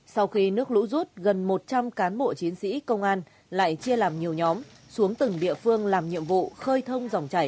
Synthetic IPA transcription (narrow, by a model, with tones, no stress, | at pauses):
sa˧wxi˧nɨ˦˥ək̚lṵ˧˥zu˦˥t̚ɣə˨˩nmo˨˩t̚t͡ɕa˧mkaː˨˦nɓo̰˧˨t͡ɕi˨˦ənsḭ˧˥kə˧wŋ͡mʔaː˧n | la̰ː˧˨jt͡ɕi˧əlaː˨˩mɲi˨˩əwɲɔ˨˦m | su˨˦əŋt̪ɨ˨˩ŋɗḭ˧˨əfɨ˧əŋlaː˨˩mɲḭ˧˨əmvṵ˧˨xəː˧jt̪ʰə˧wŋ͡mza˨˩wŋ͡mt͡ɕa˧˩j